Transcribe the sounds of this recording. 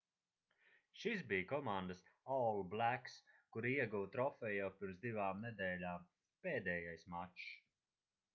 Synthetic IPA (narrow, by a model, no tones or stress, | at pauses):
ʃisbijkɔmand̪əsɔlˠblækskuɾiɛɡuwt̪ɾɔfɛjawpiɾmzd̪ivaːmnɛd̪ɛːlʲaːm | peːd̪ɛːjajsmat͡ʃ